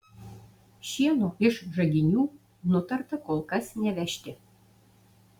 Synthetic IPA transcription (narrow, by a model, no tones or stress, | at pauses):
ʃiɛnoʔɪʃʒɐɡʲɪnʲuː | nʊt̪ɐrt̪ɐkolˠkɐsnʲɛʋʲæʃʲt̪ʲɪ